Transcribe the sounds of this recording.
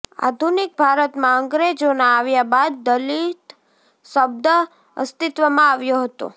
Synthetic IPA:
a̰d̪ʱunik̚bʱaɾət̪mãəŋɡɾed͡ʒonaːʋjabad̪̚ːəlit̪ | səb̚d̪ə | ə̰st̪ɪt̪ʋəmãaʋjoɦət̪o̰

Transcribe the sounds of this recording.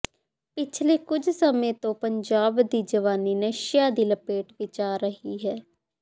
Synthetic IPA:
pɪt͡ʃʰleːkʊd͡ʒsəmẽːt̪õːpəɲd͡ʒaːbd̪iːd͡ʒəʋaːniːnəʃɪjaːd̪iːləpeːʈʋɪt͡ʃaːɾəɦiːɦɛː

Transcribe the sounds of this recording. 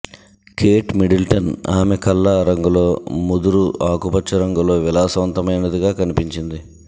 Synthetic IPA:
kʰeːʈmiɖilʈɐna̰ːmekɐlːaɾɐŋɡulo̞ːmud̪uɾuaːkupɐt͡ʃːɐɾɐŋɡulo̞ːʋilaːsɐʋɐnt̪ɐmɐjnɐd̪iɡaːkɐnipiɲt͡ʃind̪i

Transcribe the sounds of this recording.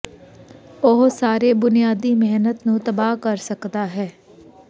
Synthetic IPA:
oɦsaːɾeːbʊnijaːd̪iːmɛɦnət̪nũːt̪əbaːkəɾsəkd̪aːɦɛː

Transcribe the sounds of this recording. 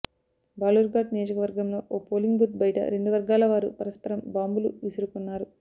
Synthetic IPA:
baːluɾɡaːɖnijoːd͡ʒɐkɐʋɐɾɡɐmlo̞ːʔoːpoːliŋɡbut̪̚bɐjɐʈɐ̰ɾe̞ɳɖuʋɐɾɡaːlɐʋaːɾupɐɾɐspɐɾɐmbaːmbuluisiɾukunːaːɾu

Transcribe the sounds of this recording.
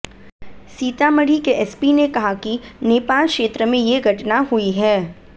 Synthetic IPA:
siːt̪aməɽ̤ikeʔɛspinekɐɦakineːpaːlkʃeːt̪ɾəmẽjeɡʱɐʈnaɦuiɦɛː

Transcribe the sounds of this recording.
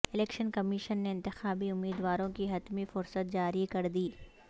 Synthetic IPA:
ɪlɛːkʃənkɐmiːʃənːeɪ̃nt̪ɪxaːbiʊmːiːd̪ʋaːɾõkiɦɐt̪mifʊɾsət̪̚d͡ʒaːɾikɐɾd̪iː

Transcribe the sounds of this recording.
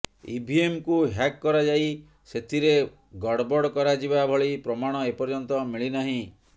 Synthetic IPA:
ḭbʱiemkuɦakːɔɾad͡ʒaj | set̪ʰiɾe | ɡɔɽbɔɽkɔɾad͡ʒibabʱɔɭipɾɔmaɽ̃ɔepɔɾd͡ʒɔnt̪ɔmiɭinaɦĩ

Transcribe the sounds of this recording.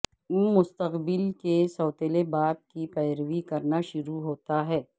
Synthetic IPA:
mʊst̪əqbɪlkesɔːt̪elebaːb̚kipɛːɾʋikɐɾnaʃʊɾuɦoːt̪aɦɛː

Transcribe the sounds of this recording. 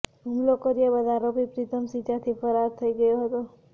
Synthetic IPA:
umlokəɾiebəd̪ʱaɾopipɾit̪ʰəmsit͡ʃãt̪ʰifəɾaɾt̪ʰəiɡəjoɦət̪o

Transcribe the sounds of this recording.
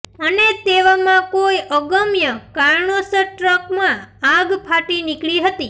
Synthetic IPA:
ənet̪eʋamãkojəɡəmjəkaɾɳosəʈɾəkmãaɡpʰaʈinɪkɭiɦət̪i

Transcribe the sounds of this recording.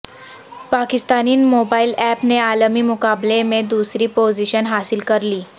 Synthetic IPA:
pakist̪aniːnmobailɛpnealəmiːmukablemed̪usɾiːpoziɕənɦasilkəɾliː

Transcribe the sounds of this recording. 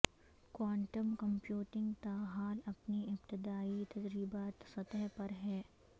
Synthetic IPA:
kwaːɳʈəmkɐ̃mpjuːʈɪ̃ŋɡt̪aːɦaːlɐpniɪbt̪ɪd̪aːit̪ɐd͡ʒɾiːbaːt̪sɐt̪əɦpɐɾɦɛː

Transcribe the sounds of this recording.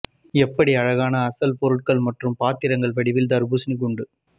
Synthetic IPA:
ɛpːɐɽiɐɻɐɣaːnɐːsɐlpɔɾɯʈ̚kɐɭmɐʈrɯmpaːt̪ːɪɾɐŋɡɐɭpɐɽɪʋɪld̪ɐɾbusnɯk̬ːʊɳɖɯ

